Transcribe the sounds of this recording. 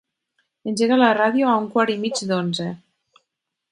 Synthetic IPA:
enʲʒeɣalaraðjoauŋkwaɾimit͡ʃd̪onze

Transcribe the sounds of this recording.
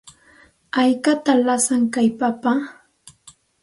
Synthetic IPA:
ajkat̪alasaŋkajpapa

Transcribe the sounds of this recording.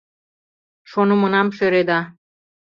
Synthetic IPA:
ʃonumŏnɑmʃøɾed̪ɑ

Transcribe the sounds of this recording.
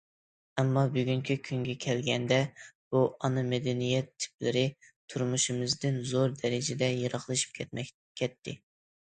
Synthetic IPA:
ɛmːɑbyɡʲyŋkʲʰikʲʰyŋɡʲɛkʲʰɛlɡʲɛnd̪ɛb̥uʔɑnɨmɛd̪ɛnijɛt̪ʰːɪ̥plɪ̰ɾɪ | t̪ʰuɾmuʃɨmɨzd̪ɨnzoɾd̪ɛɾɪd͡ʒɪd̪ɛjɑɾɑχlˠɨʃi̥p̚kʰʲɛɛ | kʲʰɛt̪ʰːɪ

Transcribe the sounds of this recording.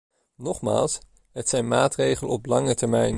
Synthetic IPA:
nɔχma̰ːlˠs | ɦətsɛjnmaːtrejχələɔplɑŋətɛɹmɛjn

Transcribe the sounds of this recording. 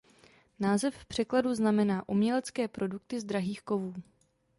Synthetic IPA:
naːzɛfpr̝̥ɛkladuznamɛnaːʔumɲɛlɛt͡skɛːpɾo̞duk̚t̪ɪzd̪ɾaɦiːxko̞vuː

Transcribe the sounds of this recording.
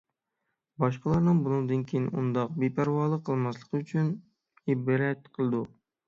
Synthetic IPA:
bɑʃqəlˠɑɾnɨŋbunɨd̪ɨnkʲʰejinṵnd̪ɑq̚bepʰæɾwɑːlˠəqʰːəlˠmɑslˠə̥qʰəyt͡ʃʰyn | ibɾɛt̪qʰəlˠɨd̪u

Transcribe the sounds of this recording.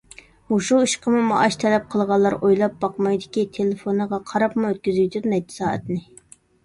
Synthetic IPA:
muʃuiʃqʰəmumɑ̰ʔɑʃt̪ʰɛlɛp̚qʰəlˠʁɑlˠːɑɾojlˠɑp̚bɑqmɑjd̪ɪkʲit̪ʰelɪfonəʁɑqʰɑɾɑpmuøt̪̚kʲyzyjt̪ʰyɾnɛd͡ʒ̚t̪ʰɪ̥sɑːɛ̰t̪nɪ

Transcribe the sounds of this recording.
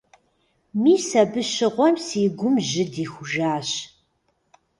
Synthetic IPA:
miːsɐbɨɕɪʁʷɔmsiːɡʷʊmʑɪdiːxʷʊʒaːɕ

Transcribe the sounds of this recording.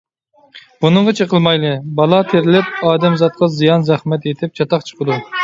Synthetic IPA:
b̥unɨŋʁɑt͡ʃʰeqəlˠmɑjlˠɨbɑlˠɑt̪ʰeɾɪlɪp̚ɑːd̪ɛmzɑt̪̚qɑzijɑnzɛχmɛt̪et̪ʰɪp̚t͡ʃʰɑt̪ɑqt͡ʃʰə̥qəd̪u

